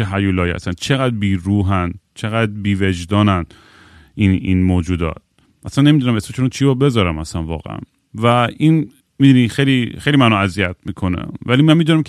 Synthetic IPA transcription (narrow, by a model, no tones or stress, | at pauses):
eɦæjuːlɒːjihæ̰sænt͡ʃʰeɣæd̪ɾbiːɾuːɦænt͡ʃʰeɣæd̪biːved͡ʒd̪ɒːnæn | inḭnmoːd͡ʒuːd̪ɒ̰ːt̪̚ | ʔæsænːe̞mid̪unæmesmet͡ʃʰonot͡ʃʰibɔbe̞zɒːɾæmæsænvɒ̰ːɣḛʔæ̰n | væin | mid̪unixejlixejlimænɒæzijæt̪̚ʰmiːkʰo̞nḛvæliːmænmiːd̪unæmkʰ